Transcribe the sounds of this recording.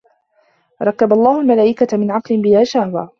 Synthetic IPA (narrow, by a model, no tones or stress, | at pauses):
ɾˤɑkːabalˤːɑːhʊlmalaːʔɪkat̪amɪnʕɑqlɪbɪlaːʃahwaː